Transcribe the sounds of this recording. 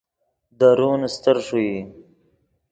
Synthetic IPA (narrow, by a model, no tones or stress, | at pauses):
d̪aɾunst̪əɾʂui